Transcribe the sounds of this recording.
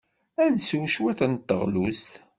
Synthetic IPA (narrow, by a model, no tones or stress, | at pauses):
ænsuʃwæθənt̪ːəʁlust̪